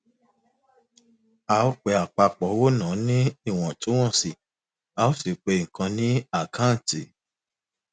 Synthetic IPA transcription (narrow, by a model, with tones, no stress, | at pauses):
a˨o˦k͡pɛ˧˦a˨k͡pa˧k͡pɔ˨˦wo˦nãː˨˦nĩ˦i˦˨w̃ɔ̃˨to˨˦w̃ɔ̃˦˨si˨ | a˨o˦si˨k͡pe˧ŋ̩˨kã˧nĩ˦a˦˨kʰã˦n̩˨ti˨